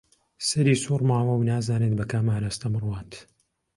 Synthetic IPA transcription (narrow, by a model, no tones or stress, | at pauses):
sɐɾiːsuːrmaːwɐwnaːzaːnet̪̚bɐkaːmaːɾaːst̪ɐmɨrwaːnt̪